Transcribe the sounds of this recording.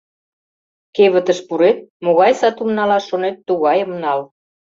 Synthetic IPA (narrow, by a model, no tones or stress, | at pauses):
keβə̆t̪ə̆ʃpuɾet̪̚moɣɑjsɑt̪umnɑlɑʃonet̪ːuɣɑjəmnɑl